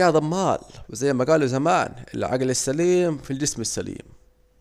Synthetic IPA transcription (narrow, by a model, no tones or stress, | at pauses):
aːd̪ˤɑmːaːlwɪzajːmaɡaːluzamaːnɪ̰lʕa̰ɡlɪsːaliːmfild͡ʒɪsmɪsːalḭːm